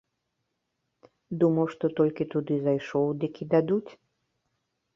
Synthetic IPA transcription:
d̪umɐwʂt̪ɔt̪ɔlʲkʲit̪ud̪ɨzajʂɔwd̪ikʲʰid̪ad̪ut͡sʲ

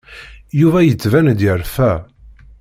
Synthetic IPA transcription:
juvæjət͡sːvænd̪jəɾfæ

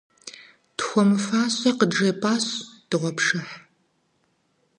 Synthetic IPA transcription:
txʷɔmɨfaːɕʼɐqəd͡ʒɐpʼaːɕd̥ɨʁʷɔpʰʂɨħ

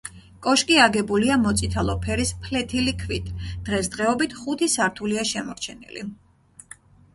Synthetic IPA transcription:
kʼɔʃkʼiaɡɛbuliamɔt̪sʼit̪ʰalˠɔpʰɛɾispʰlɛt̪ʰilikʰvit̪ʰd̪̥ʁɛsd̪̥ʁɛɔbit̪ʰχut̪ʰisaɾt̪ʰuliaʃɛmɔɾt͡ʃʰɛnḭlḭ

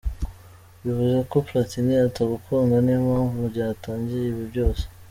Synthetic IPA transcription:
βivuzako̞platiniataɡukʰoŋɡanemaːɱvuɾɟaataːɲɟiɾeiβjibɟo̞ːse̥

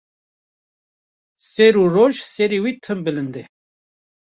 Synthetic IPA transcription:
sɛɾuroʒsɛɾiwit̪ʰɨmbɨlɨnd̪ɛ

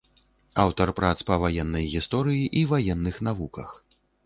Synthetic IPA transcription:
awt̪ɐrpɾat̪spɐvajɛnːɐjɣʲist̪ɔɾɨjiʔivajɛnːɨxnavukɐ̰x

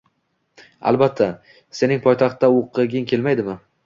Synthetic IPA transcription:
a̰lˠbat̪ʰːa | se̞nɪŋpʰɒjt̪ʰɑχt̪ːaoqʰːɨɡʲɪŋkʲʰe̞lmajd̪ɪmɪ

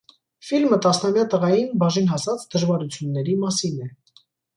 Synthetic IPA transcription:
filmət̪ɑsnɑmjɑt̪əʁɑjinbɑʒinɦɑsɑt͡sd̪əʒvɑɾut͡sʰjunːɛɾimɑsinɛ

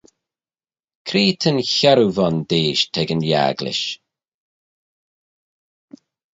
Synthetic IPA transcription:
kʰɾiːt̪ʰənçɛɾuvɔndeːʃtʰɛɡənja̰ɡlɪ̰ʃ

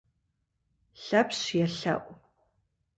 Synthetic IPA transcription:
ɬɐpɕjɛɬɐ̰ʔʷ

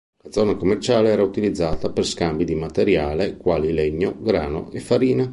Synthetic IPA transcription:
lad̪zːɔːnakomːert͡ʃaːleɛːɾaut̪ilid̪zːaːt̪aperskambid̪imat̪eɾjaːlekwaːlileɲːoɡɾaːno̰efːaɾiːna

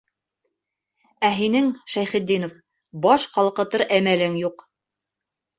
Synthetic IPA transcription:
æɦinɘŋʃæjχɘ̆d̪ːinof | bɑʃqɑlˠqɤ̆t̪ɤɾʔæmælɘŋjuq

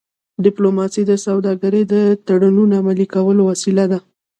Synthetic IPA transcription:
ɖɪplomɑsid̪əsawd̪ɑɡaɾəd̪ət̪aɽununaamalikawəlowasilad̪a

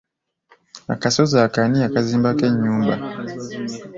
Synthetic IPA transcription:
a̰kasɔzakaniakazimbakɛɲumba̰

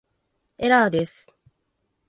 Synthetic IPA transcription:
eɾaːd̪esɨ̥

